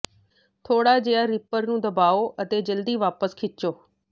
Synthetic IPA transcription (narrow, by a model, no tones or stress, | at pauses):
t̪ʰoːɽaːd͡ʒeaːɾɪpəɾnũːd̪əbaːoːʔət̪eːd͡ʒəld̪iːʋaːpəskʰɪt͡ʃoː